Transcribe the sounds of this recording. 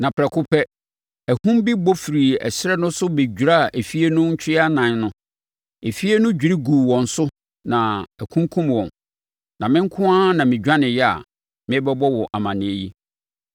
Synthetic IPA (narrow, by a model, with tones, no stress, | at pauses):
nã˨pʰɾɛ˨kʰʊ˦pʰɛ˦ | æ˨hũ˦mbi˦bɔ˦fi˨ɾi˨ɛ̰˨ɕɪ˦ɾɛ˦nʊ̃˦sʊ˦be˨d͡ʑᶣu˨ɾa˦˨ʔe˨fi˦e˦nʊ̃˦ɲ̩˦t͡ɕʰᶣɪ˦a˦nã˨˦n˦nʊ̃˦ | e˨fi˦e˦nʊ̃˦d͡ʑᶣi˨ɾi˦ɡuː˨wɔ̃˨n̩˨sʊ˦ | nã˨æ˨kʰũ˦ŋ˦kʰũ˦mwɔ̃˨n | nã˨mɪ̃˦ŋ̩˦kʰʊ̃˦a˦nã˨mɪ̃˨d͡ʑᶣa˦nɪ̃˨jɛ˦a̰˨ | mɪ̃˦bɛ˦bɔ˦wɔ˨ʔa˨mã˨nɪ̃˨e˨ji˦